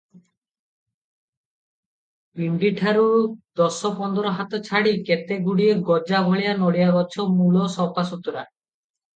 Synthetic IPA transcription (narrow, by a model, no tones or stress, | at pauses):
piɳɖiʈʰaɾud̪ɔsɔpɔnd̪ɔɾɔɦat̪ɔt͡ʃʰaɽiket̪eɡuɽieɡɔd͡ʒabʱɔɭijanɔɽijaɡɔt͡ʃʰɔmulɔsɔpʰasut̪uɾa